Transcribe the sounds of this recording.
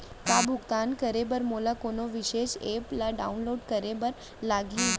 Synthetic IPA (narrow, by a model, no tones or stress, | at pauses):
kabʱʊɡt̪ankəɾebəɾmolakonoʋiʃeʃeplaɖa̰unloːɖkəɾebəɾ | laɡĩ